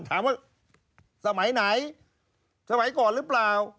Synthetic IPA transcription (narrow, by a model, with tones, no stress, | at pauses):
t̪ʰaː˨˦mwaː˧˩ | sa˧ma˨˩˦jna˨˦j | sa˧ma˨˩˦jkɔː˨˩nlɯ˦˥plaː˨˩w